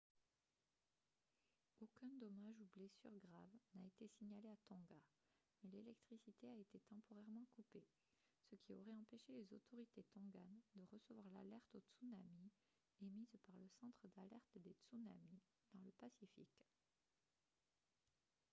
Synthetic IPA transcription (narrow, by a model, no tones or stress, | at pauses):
okʲɛ̃d̪ɔmaʒublesy̰ʁɡʁavnaet̪esiɲaleat̪ɔ̃ɡa | mɛlelɛk̚t̪χisit̪eaet̪et̪ɑ̃pɔʁɛʁmɑ̃kupe | səkʲiɔʁɛɑ̃peʃelezot̪ʰɔʁit̪et̪ɔ̃ɡand̪əʁəsəvwaʁla̰lɛʁt̪ot̪sunami | emizpaʁləsɑ̃t̪χəd̪alɛʁt̪d̪et̪suna̰mi | d̪̥ɑ̃ləpasifḭk